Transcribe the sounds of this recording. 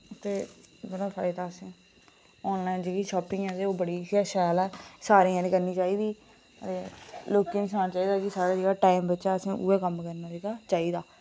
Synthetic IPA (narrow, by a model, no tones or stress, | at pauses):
t̪eːbəɾãːpʰa̰ːɪd̪aːəsẽː | ɔːnlaːind͡ʒeːɡiʃɔːpɪ̃ːãːd̪eːoːbəɽiːaːʃaːlɛːsaːɾeːãːnẽːkəɾniːt͡ʃaːiːd̪iː | əeːloːkiːnsaːnat͡ʃaːiːd̪aːkɪsaːɾaːd͡ʒeːɽaːʈaːɪmbəːʃaːəsẽːʔṵeːkəmkəɾnaːd͡ʒeːɡaːt͡ʃaːiːd̪aː